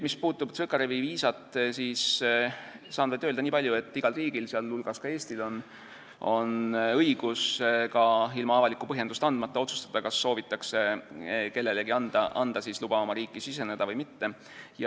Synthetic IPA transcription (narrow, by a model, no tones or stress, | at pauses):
mispuːt̪ːˑubt̪sɤkɑɾeviviːsɑt̪ˑsiːs | sɑːnvɑd̪øld̪ɑniːpɑlʲjue̞t̪ːiɡ̥ɑlriːɡ̥ilseɑlːulɡ̥ɑskɑe̞ːsʲt̪ilo̞n | o̞nɤ̞jɡ̥uskɑilmɑɑvɑlikːˑu̥pɤɦje̞nd̪ust̪ɑnd̪̥mɑt̪ˑːɑo̞t̪su̥st̪ɑd̪̥ɑkɑsːo̞ːvit̪ːˑɑkse̞ke̞lːe̞leɡiɑnd̪̥ɑʔɑnd̪̥ɑsislub̥ɑomɑɾiːkːˑisise̞ned̪̥ɑvɤjmit̪ːe̞ | jɑ